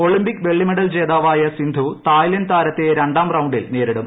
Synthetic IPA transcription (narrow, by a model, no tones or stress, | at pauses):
o̞ɭimbikʋe̞ɭːimeɽɐlt͡ɕe̞ːðaːʋaːjɐsind̪ʱut̪aːjlɐnt̪aːɾɐt̪ːeɾeɳɖaːmrɐwuɳɖilneːɾiɽum